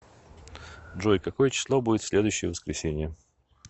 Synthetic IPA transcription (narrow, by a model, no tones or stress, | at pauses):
ʐojkɐko̞jət͡ɕɪ̥slˠobudʲɪt̪sʲlʲe̞d̪ʊjʏɕːɪjəvəskɾʲɪsʲenʲɪjə